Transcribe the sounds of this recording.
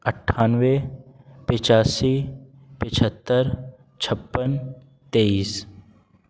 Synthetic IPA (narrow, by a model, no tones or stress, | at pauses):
əʈʰːaːnʋepɪt͡ʃaːsi | pɪt͡ʃʰət̪ːəɾ | t͡ʃʰəpːən | t̪eiːs